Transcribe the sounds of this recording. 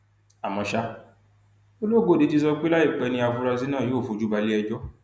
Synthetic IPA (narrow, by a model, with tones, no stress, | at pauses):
a˨mɔ̃˧ʃa˧ | o˦lo˦˨ɡo˨˦˨di˨˦ti˧sɔ˧k͡pe˦la˦i˦˨k͡pɛ˨˧nĩ˧a˧fu˧ɾa˧zi˦nãː˦˨jo˨˦˨fu˨˧˦d͡ʒu˦ba˧li˦ɛ˧d͡ʒɔ˦